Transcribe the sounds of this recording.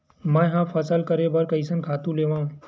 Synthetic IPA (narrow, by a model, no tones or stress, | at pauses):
mɛ̃ɦãfʰɐsəlkəɾebɐɾkɐɪsənkʰaːt̪ũleːʋãːũ